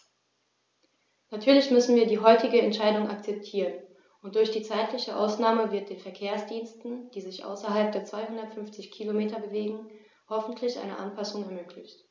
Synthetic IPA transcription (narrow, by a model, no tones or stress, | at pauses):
natʰyːɐlɪçmʏsn̩viːɐdiːɦɔʏtɪɡəɛntʃaɪdʊŋʔa̰kt͡sɛp̚tʰiːʁən | ʔʊnt̚d̥ʊɐçd̥iːt͡saɪtʰlɪçəʔa̰ʊsnaːməvɪɐt̚d̥eːnfɛɐkʰeːɐsd̥iːnstn̩d̥iːzɪçʔa̰ʊsɐɦalp̚d̥eːɐt͡sv̥aɪhʊndɐtfʏnft͡sɪçkʰilomeːtɐbəveːɡŋ̩ | hɔfn̩tʰlɪçʔa̰ɪnə̰ʔanpʰasʊŋɛɐmøːkʰlɪçt